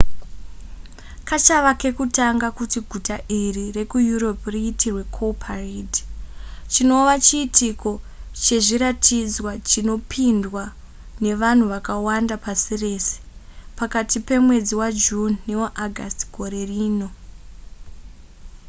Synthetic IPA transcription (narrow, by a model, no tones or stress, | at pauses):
kat͡ʃaʋake̞kutaŋɡakutiɡʱutaʔirire̞kujuɾo̞priːtirwe̞kʰopʰarid | t͡ʃino̞ʋat͡ʃiːtʰiko̞t͡ʃe̞ʐiɾatʰid͡zwat͡ʃino̞pʰindwa | ne̞ʋan̤uʋakawandapasire̞ːse̥pakatipe̞mwe̞d͡ziwad͡ʒunːewaʔaɡʱa̰sti̥ɡʱo̞ɾe̞riːno̞